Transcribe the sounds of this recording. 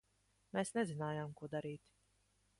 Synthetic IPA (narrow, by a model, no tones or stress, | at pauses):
meːsnɛzinaːjaːmkuɔd̪aɾiːt̪